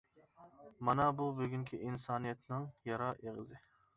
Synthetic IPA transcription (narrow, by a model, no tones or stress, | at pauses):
mɑnɑbubøɡʲyŋkʲʰiʔinsɑːnijɛt̪nɪŋjɑɾɑːʔeʁɨzɪ